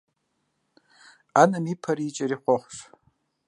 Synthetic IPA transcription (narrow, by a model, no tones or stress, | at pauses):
anamipʰaɾit͡ʃʼaɾiχʷoχʷʂ